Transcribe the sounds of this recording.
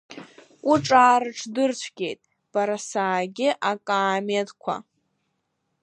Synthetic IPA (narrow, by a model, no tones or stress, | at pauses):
uʈ͡ʂʼaːɾɨʈ͡ʂʰdɨrt͡ɕʷʰɡʲe̞jtʼ | b̥aɾasaːɡʲɪʔakʼaːmedkʷʰa̰